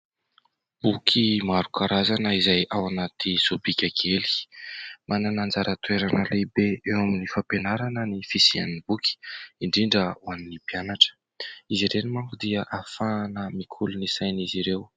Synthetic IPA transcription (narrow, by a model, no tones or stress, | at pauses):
b̥ukʰimaɾukʰaɾazanəizajawanat̪ʰisobikʲakʰeli̥mananand͡zaɾət̪ueɾanəlebeewaminifapenaɾanənifisia̰nibuki̥iɳɖ͡ʐiɳɖ͡ʐəuaninipianaʈ͡ʂə̥ | iziɾenimaŋkud̪iəʔafaːnəmikʰulunisajniziɾew